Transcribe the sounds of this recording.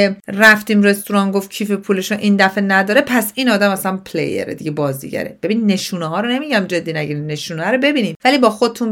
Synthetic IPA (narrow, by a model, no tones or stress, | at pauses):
eræft̪iːmre̞st̪uɾɒːnɡoft̪̚cʰiːfepʰuːleʃunʔiːnd̪æfenæd̪ɒːɾepʰæsiːnɒːd̪æmæslæmpʰlḛjḛɾḛd̪iɟebɒːzd̪ḭɟæ̰ɾḛbe̞binnːe̞ʃuːneɦɒːɾone̞miɟæmd͡ʒe̞d̪ːiːnæɟiɾimne̞ʃuːneæɾobe̞biːniːmvæliːbɒːxod̪et̪ʰun